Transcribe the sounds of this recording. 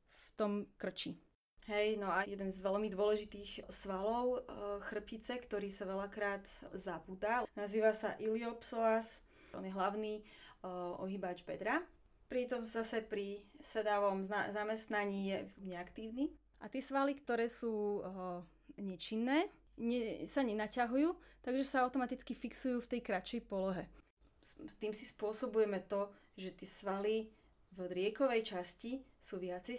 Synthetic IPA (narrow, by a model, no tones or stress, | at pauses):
ft̪ɔmkr̩t͡ʃi | ɦɛjnɔajɛd̪ɛnzʋɛlmid̪ʊɔlɛʒit̪iːxsʋalɔʊxr̩pit͡sɛkt̪ɔɾiːsaʋɛlakɾaːd̪zabuːd̪anaziːʋasaʔiliɔpsɔas | ɔ̰njɛɦlaʊniː | ʔɔ̰ɦibaːd͡ʒbɛd̪ɾa | pɾit̪ɔmz̥asɛpɾisɛd̪aʋɔmzazamɛst̪naɲiːjɛɲɛakt̪iːʊni | ʔat̪ɪɛsʋalikt̪ɔɾɛːsuː | ɲɛt͡ʃinːɛː | ɲɛsaɲɛnacaɦujuːt̪aɡʒɛsaaʊt̪ɔmat̪it͡skifiksujuːft̪ɛjkɾat͡ʃɛjpɔlɔɦɛ | t̪iːmsispʊɔsɔbujɛmɛt̪ɔ | ʒɛt̪ɪɛsʋali | vd̪ɾɪɛkɔʋɛjt͡ʃascisuːʋɪat͡sɛj